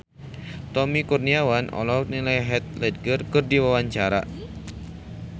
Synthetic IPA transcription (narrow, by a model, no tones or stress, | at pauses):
t̪ɔmikurniawanʔɔ̰lɔhnilajɦɛt̪̚lɛd̚ɡərkɨrdiwawaɲt͡ʃaɾa̰